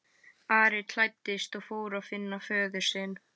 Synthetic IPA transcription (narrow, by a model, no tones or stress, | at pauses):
aːɾɪt̪ʰl̥ajt̪ːɪst̪ɔɣfoːwɾaðfɪnːafœːðʏ̥sɪn